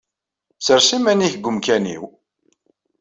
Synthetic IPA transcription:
səɾsimæniçɡʷəmkænḭw

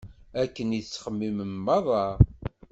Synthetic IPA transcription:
ækːəniθət͡sːχəmːiməmːɑðˤɑ

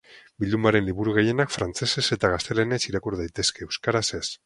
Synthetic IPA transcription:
bild̪umbaɾe̞nliβuɾuɣeje̞nakfɾant͡se̞se̞se̞t̪aɣast̪e̞lenesiɾakuɾðajt̪e̞ske̞ːwskaɾase̞s

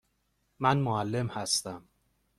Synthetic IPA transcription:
mænmoælːe̞mhæst̪æm

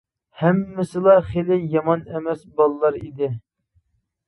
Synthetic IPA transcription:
hɛmːɪsɪlˠɑχelɪjɑmɑnemɛsbɑlˠlˠɑɾid̪ɪ

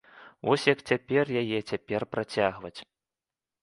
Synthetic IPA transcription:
vɔsʲjɐkt͡sʲapʲɛrjajɛt͡sʲapʲɛrpɾat͡sʲaɣvɐt͡sʲ

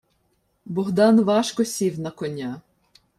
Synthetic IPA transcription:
bɔɦd̪ɑnʋɑʃkɔsʲiwnɐkɔnʲa

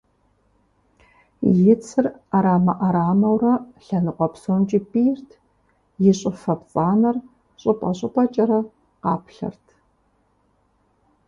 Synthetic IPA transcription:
jɪt͡sʰɨraɾaːmɐʔaɾaːmɐwrɐɬɐnɨqʷʼɔpsoːnt͡ʃʼipʼijrtʰ | jɪɕʼɪfɐpt͡sʼaːnɐr | ɕʼɪpʼɐɕʼɪpʷʼɐt͡ʃʼɐɾɐ | qɑːpʰɬɐ̰rtʰ

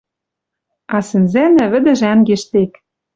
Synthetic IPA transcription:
ɑsɘ̆nzænæβɘ̆d̪ɘ̆ʒæŋɡeʃt̪ek

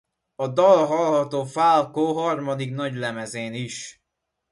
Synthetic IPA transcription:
ɒd̪ɒlɦɒlhɒt̪oːfalkoːɦɒrmɒd̪ikn̪ɒɟlɛmɛzeːniʃ

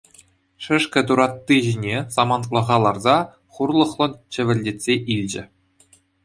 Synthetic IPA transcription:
ʂɘ̆ʂkʲɘ̆d̪uɾɑt̪ːiʑinʲesɑmɑnt̪lˠɤ̆ʁɑlˠɑrzɑ | χurlˠɤ̆χlˠɤ̆nt͡ɕɘ̆ʋʲɘ̆lʲdʲetʲsʲeʔilʲd͡ʑɘ̆

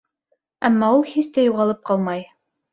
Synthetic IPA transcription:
æmːɑulˠhist̪æjuʁɑlˠɤp̚qɑlˠmɑj

